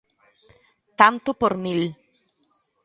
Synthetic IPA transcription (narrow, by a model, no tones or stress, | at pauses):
t̪ant̪opoɾmil